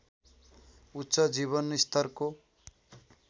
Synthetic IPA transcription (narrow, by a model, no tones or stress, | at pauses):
utːsʌd͡ziβʌnist̪ʌrko